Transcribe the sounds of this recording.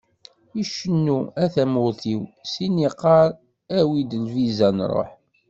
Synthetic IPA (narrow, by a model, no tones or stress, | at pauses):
iʃənːuæθæmʊɾθiwsiniqːɑɾˤ | æwid̪əlvizænɾˤo̰ħ